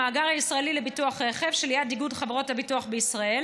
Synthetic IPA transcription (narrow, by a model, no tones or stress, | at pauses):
aːɡaʁhaisʁaelilebituaχʁeχevʃelijat̚d̪iɡudχavʁo̞tabituaχbeisʁae̞l